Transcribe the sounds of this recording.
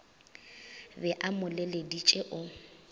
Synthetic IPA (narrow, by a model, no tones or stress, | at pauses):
bɛʔamʊlɛledit͡ʃʼeʔʊ